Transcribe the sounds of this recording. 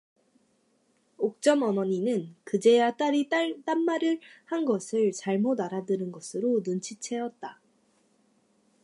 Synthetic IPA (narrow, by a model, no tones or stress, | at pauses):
ok̚t͡ɕ͈ʌmʌmʌɲinɯnkɯd͡ʑe̞jat͈aɾit͈at͈anmaɾɯɭhanɡʌsʰɯɭt͡ɕaɭmodaɾadɯnɯnɡʌsʰɯɾonunt͡ɕʰit͡ɕʰe̞ʌt̚t͈a